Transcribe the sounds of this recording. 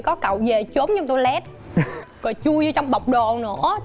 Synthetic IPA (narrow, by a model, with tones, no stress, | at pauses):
kɔ˨˦kə̰˧˨wve˨˩t͡ɕo˨˦mɲɨ˧ŋt̪o˧jlɛ˦˥t̚ | kɔ˨˩t͡ɕu˧əjzə˧t͡ɕɔ˧wŋ͡mɓə˨˩wk͡p̚ɗo˨˩nɨ̰˧˩˥ə